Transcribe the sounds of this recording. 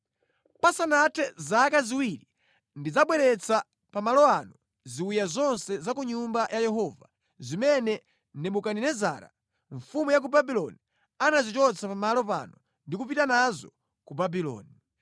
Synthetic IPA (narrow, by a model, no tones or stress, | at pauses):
pasanatʰɛzakaziwiɾi | ndid͡zaɓwɛɾɛt͡sʰa | pamalɔanɔ | ziwijazɔnsɛzakuɲumbajʔajɛɦɔva | zimɛnɛ | nɛmukaninɛza̰ːɾa̰ | ɱfumujak̬ubabilɔni | anazit͡ʃɔt͡sʰapamalɔpa̰nɔ | ndikup̬itanazɔ | kubabilɔ̰ːni